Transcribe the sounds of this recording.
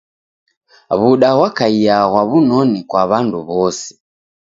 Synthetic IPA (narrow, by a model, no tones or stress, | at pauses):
βuɗaɣwakaijaɣwaβunɔnikwaβanduβɔsɛ̥